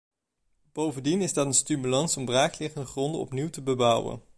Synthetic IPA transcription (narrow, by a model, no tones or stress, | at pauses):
b̥owvəndinɪzdɑtənstymylɑnsɔmbraːklɪχəndəχrɔndəɔ̰pniwtəbəbʌwə̰n